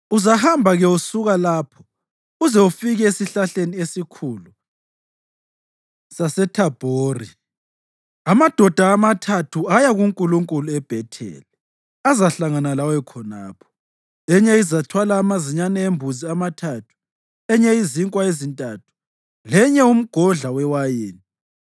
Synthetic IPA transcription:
uzahambʱaɣɛusuɣalaːpʰɔ | uzɛufiɣɛesiɬaɬeniesikʰuːlu | sasɛtʰab̥ʱoːri | amad̥ʱɔd̥ʱaːmatʰatʰuajaɣuŋkʼuluŋkʼuluɛb̥ʱɛtʰɛ̰ːlɛ | azaɬaŋanalawɛkʰɔna̰ːpʰɔ̥ | ɛɲɛizatʰwalaːmaziɲanɛembʱuziamatʰatʰu̥ | ɛɲɛiziŋkʼwaezintʼaːtʰu̥ | lɛɲɛum̩ɡ̥ʱɔɮawɛwajeːni

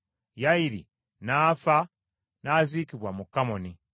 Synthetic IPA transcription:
jaiɾḭ | naːfa | naːziːkiβwamukːamoni

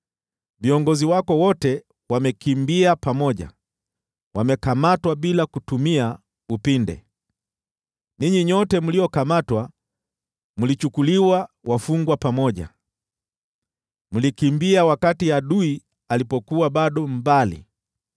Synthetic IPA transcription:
viɔŋɡɔziwakɔwɔtɛ | wamɛkimbiapamɔʄa̰ | wamɛkamatwaɓilakutumia | upindɛ̰ | niɲiɲɔtɛmuliɔkamatwa | mulit͡ʃukuliwa | wʔafuŋɡwapamɔʄa̰ | mulikimbiawakatiaɗui | alipɔkuwaɓaɗɔmbalḭ

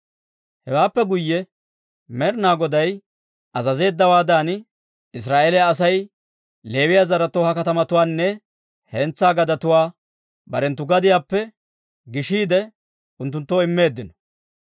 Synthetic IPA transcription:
hɛwaːpːɛɡʊjːɛ | mɛɾnaːɡɔd̪ɐj | ɐzɐze̞ːd̪ːɐwaːd̪aːn | ɪs̬ɾaːʔeːlɛjaːs̬ɐj | le̞ːwɪjaːzɐɾɐt̪oːhɐkɐt̪ɐmɐt̪ʊwaːnːɛ | hɛnt͡sːaːɡɐd̪ɐt̪ʊwaː | bɐɾɛnt̪ːʊɡɐd̪ɪjaːpːɛ | ɡɪʃiːd̪ɛ | ʊnt̪ːʊnt̪ːoːɪmːe̞ːd̪ːɪnɔ̥

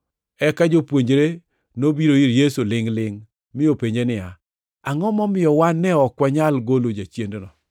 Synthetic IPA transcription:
ɛkad͡ʒopwoɲd͡ʒɾe | nobiɾoiɾjesulɪŋlɪŋ | mɪopeɲd͡ʒenɪja | aŋɔmɔmɪjɔwanːɛɔkwaɲalɡolod͡ʒat͡ʃjendnɔ

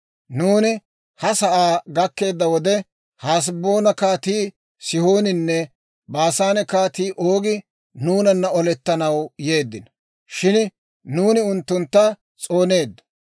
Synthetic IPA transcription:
nuːnɪ | hɐsɐʔaːɡɐkːe̞ːd̪ːɐwɔd̪ɛ | haːs̬bo̞ːnɐkaːt̪iː | sɪhoːnɪnːɛ | baːsaːnɛkaːt̪iːʔoːɡɪ | nuːnɐnːɐɔlɛt̪ːɐnɐwje̞ːd̪ːɪnɐ | ʃɪn | nuːnɪʊnt̪ːʊnt̪ːɐ | t͡sʼo̞ːne̞ːd̪ːɐ̥

